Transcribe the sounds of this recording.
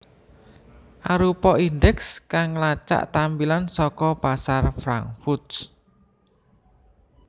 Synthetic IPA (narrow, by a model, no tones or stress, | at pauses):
ʔaɾupɔʔind̪ɛkskaŋlat͡ʃa̰ʔt̪ambilansɔkɔpasarfɾa̰ŋfut̪s